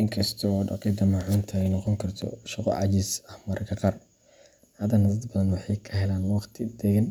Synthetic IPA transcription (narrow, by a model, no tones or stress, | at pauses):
ʔɪŋkʰɐst̪ʰɔːɖɑ̰qiːd̪ɐmaːʕaːnt̪ʰɐɛjnɔqɔŋkʰɐrt̪ʰɔ̰ʃɑqɔ̰ʕɑ̰t͡ʃɪsɐhmɐɾʔɐkʰɐqɑːr | hɐðɐnɐd̪ɐd̪bɐðɐnwɑħɑjkʰɐɦɛlaːnwɑχt̪ʰɪd̪ɛɣɐn